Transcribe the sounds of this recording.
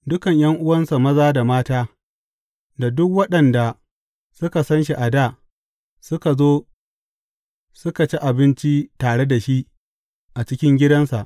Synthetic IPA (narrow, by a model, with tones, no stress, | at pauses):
dʊ˦kɐ˨ɲj̰ɐ˦ŋʔʊ˦wɐ˦nsa˨mɐ˦zaː˦da˨maː˦taː˦ | da˨dʊ˦kwɐ˦ɗɐ˨nda˨ | sʊ˦ka˨sɐ˦nʃ̬i˨ʔa˨daː˦˨ | sʊ˦ka˨zoː˦ | sʊ˦ka˨t͡ʃi˦ʔa˨bɪ˦nt͡ʃi˦taː˨ɽe˦da˨ʃi˦ | ʔa˨t͡ʃɪ˦kʲɪ˦ŋɡʲɪ˦dɐ˦nsa˨ʔ